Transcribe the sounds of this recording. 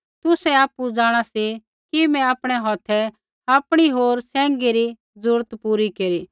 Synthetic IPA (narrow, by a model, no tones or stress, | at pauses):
t̪ʊsɛaːpːud͡zaːɽ̃asi | kimɛ̃aːpɽ̃ɛɦɔt̪ʰɛ | aːpɽ̃iɦoːɾsɛ̃ːŋɡeɾi | d͡zʊɾt̪puɾikeːɾi